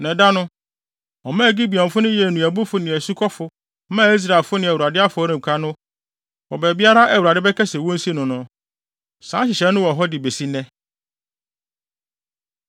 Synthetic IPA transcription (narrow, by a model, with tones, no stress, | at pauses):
nɛ̃˨da˦nʊ̃˦ | ɔ˨mãː˦˨ɡi˦bi˨ɔ̃˨m˨fʊ˦nʊ̃˦jɛ˨nũ˨æ˨bʊ˦fʊ˨nɪ̃˨æ˨su˦kʰɔ˦fʊ˨˦ | mã˦˨˦i˦s̬ɾa˨e˨lfʊ˦nɪ̃˨æ˨wu˨ɾa˨dɪ˦a˦fʊ˨˦ɔ˦ɾĩ˨m̩˨kʰa˦nʊ̃˦ | wɔ˨bɛ˨bi˦a˦ɾa˦ʔɛ˨wu˨a˨dɪ˦bɛ˦kʰɛ˦sɛ˨wɔ̃˦n̩˦si˦nʊ̃˨nʊ̃˨ | sãː˨˦ɕɪ˨ɕɛ˨˦nʊ̃˦wɔ˨ɦɔ˦dɪ˨be˨si˦nɛ̃˦